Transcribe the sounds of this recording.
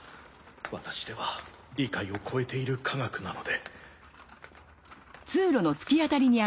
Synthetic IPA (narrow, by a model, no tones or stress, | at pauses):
βat̪ḁɕi̥d̪e̞βa | ɾʲikaio̞kʰo̞e̞t̪e̞iɾɯ̟kʰaɡakɯ̟nano̞d̪e̞ | t͡sɨːɾo̞no̞sɨ̥kʲiat̪aɾʲiɲ̟ia